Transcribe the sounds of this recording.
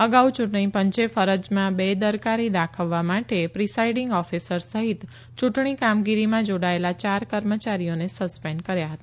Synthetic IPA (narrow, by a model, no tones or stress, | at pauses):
əɡaut͡ʃuʈɳipəɲt͡ʃefəɾəd͡ʒmãbed̪əɾkaɾid̪akʰəʋːamaʈepɾisaiɖiŋɡɔfisəɾsəɦit̪ | t͡ʃuʈɳ̃ikamɡiɾimãd͡ʒoɽaelat͡ʃaɾkəɾmət͡ʃaɾijonesəspeɳɖkəɾjaɦət̪aa